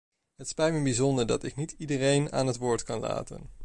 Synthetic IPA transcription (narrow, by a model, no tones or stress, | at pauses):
ɦətspɛjt̚mɛbizɔndəɹdɑtɪknitidərejna̰ːnɦətʋʊːɹtkɑnla̰ːtə̰n